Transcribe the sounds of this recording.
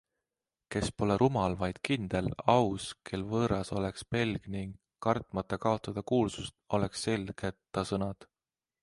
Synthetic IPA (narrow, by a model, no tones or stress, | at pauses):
ke̞spo̞leɾʔumɑlvɑjd̪̥kind̪̥e̞lɑwskʰe̞lvɤːɾɑso̞le̞kspe̞lɡ̥niŋɡːɑrt̪ˑmɑt̪ːˑɑkɑo̞t̪ːˑɑd̪̥ɑkuːlsust̪o̞le̞ksːe̞lɡ̥e̞t̪ːɑsɤnɑd̪̥